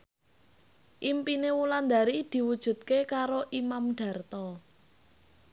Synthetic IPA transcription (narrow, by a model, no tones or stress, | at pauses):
ʔimpinewuland̪aɾid̪̥i̤wud̥ʒ̥ṳt̪̚kekaɾoʔimamɖ̥a̤rt̪ɔ